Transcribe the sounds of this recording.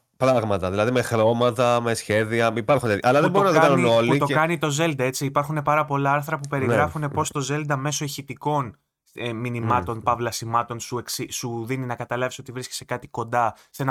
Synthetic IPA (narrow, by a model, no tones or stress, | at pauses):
pɾɐɣmɐt̪ɐðilɐðime̞xɾo̞mɐt̪ɐme̞sçe̞ðiɐipɐɾxunt̪et̪jɐlɐðeboɾunɐkɐnuinoluit̪o̞kɐnit̪o̞ze̞ld̪ɐe̞t͡siːpɐɾxune̞pɐɾɐpo̞lɐɐɾθɾɐpupe̞ɾiɣɾɐfune̞po̞st̪o̞ze̞ld̪ɐme̞so̞içit̪iko̞n | minimɐt̪o̞npɐvlɐsimɐt̪o̞nsueksisuðininɐkɐt̪ɐlɐviso̞t̪ivɾisce̥se̞kɐt̪iko̞nd̪ɐse̞nɐ